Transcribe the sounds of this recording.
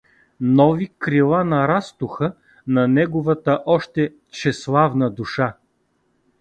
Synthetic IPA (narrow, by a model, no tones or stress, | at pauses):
nɔvikɾilˠanɐɾast̪ʊxə | nɐnɛɡʊvət̪əʔɔʃt̪ɛ | t͡ʃɛslˠavnəd̪uʃa